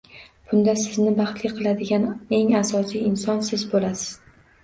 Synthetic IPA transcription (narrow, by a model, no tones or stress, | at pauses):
b̥ʊnd̪asɪznɪbɑχt̪lɪqʰɨlˠad̪ɪɡʲane̞ŋasɒsijɪnsɒnsɪzbolasɪ̥z̥